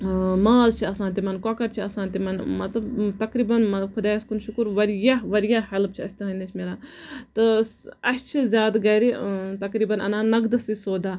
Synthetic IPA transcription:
maːzt͡ʃʰiɐsãːnt̪imɐnkɐkɐɾt͡ʃʰiɐsãːnt̪imɐnmɐt̪lɐbt̪ɐkɾiːbɐnmɐbkʰʊd̪aːɐskunʃukuɾʋɐɾjaʋɐɾjahɐlpt͡ʃʰiɐsʲt̪ɐɦɐ̃nd̪ɐt͡ʃʰʲmeːɾaːt̪ɨɐst͡ʃʰizʲjaːd̪ɡɐːɾit̪ɐkɾiːbɐnɐ̰naːnɐɡd̪ɐsisoːd̪aː

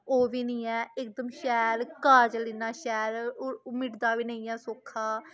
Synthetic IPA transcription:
oːʋiːnĩːɛːɪkd̪əmʃɛːlkaːd͡ʒlɪnaːʃɛːlmɪʈd̪aːʋiːnəĩːɛːsoːkʰːaː

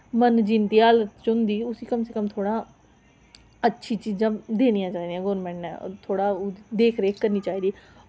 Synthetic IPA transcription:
mənd͡ʒɪnt̪iːaːlət̪t͡ʃʊ̃nd̪iːʊsiːkəmsekəmt̪ʰoːɽãː | ətːʃʰiːt͡ʃiːzãːd̪eːñijãːt͡ʃaːiːd̪ijãːɡɔːɾmɛ̃ːɳʈɛ̰ːt̪ʰoːɽaːd̪eːkʰɾeːkəɾniːt͡ʃaːiːd̪iː

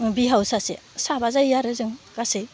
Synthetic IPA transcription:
biɦawsasesabazajjaɾɯzɯŋɡasɯ

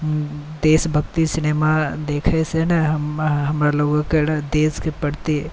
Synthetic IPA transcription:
d̪eːsbʱɐkt̪isɪneːmad̪eːkʰesenɐɦmɦɐmɾaloːɡked̪eːskepɐɽt̪e

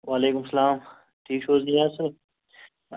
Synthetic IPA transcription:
waːleːkʊmsɐlaːm | ʈʰiːkʃoːznijaːsɐ

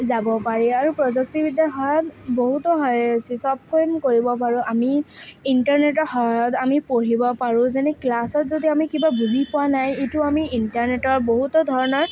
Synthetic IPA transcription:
zabɔpaɹiaɹupɹɔzɔk̚tibidaɦɔjɔtboɦutɔɦɔjsisɔb̚kojmkoɹibɔpaɹʊ̃ʔamiintaɹnetɔɦɔɔtamipoɹibɔpaɹũzɛnɛklasɔtzodiamikibabuzipʊwanajetʊamiintaɹnetɔɹboɦutɔdʱɔɹɔnɔɹ

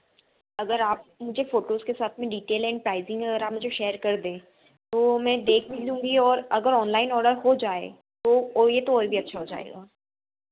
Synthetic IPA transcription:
ɐɡəɾaːp̚mʊd͡ʒʱefoːʈoːzkesaːt̪ʰmẽɖiːʈeːlɛ̃ːɳɖ̚pɾaːɪzɪ̃ŋɡɦɛɐɡəɾaːpmʊd͡ʒʱeʃeːəɾkɐɾd̪ẽː | t̪oːmɛ̃ːd̪eːkʰbid̪ũːŋ̆ɡiɔːɾɐɡəɾɔːnlaːɪnɔːɾɖəɾɦod͡ʒaːḛ | t̪ojet̪oɔːɾbʱiɐtːʃʰaɦod͡ʒa̰ːḛːɡaː

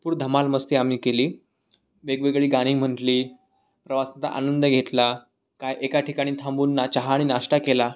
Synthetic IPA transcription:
puːɾd̪ʱəmalməst̪iam̤iːkeliː | ʋeɡʋeɡɭiːɡaɽ̃iːm̤əɳʈliː | pɾəʋasat̪a̰ʔa̰nənd̪əɡʱet̪la | kajʔekaʈʰikaɽ̃iːt̪ʰãmbuːnːat͡ɕaɦaːɽ̃iːnaʂʈakela

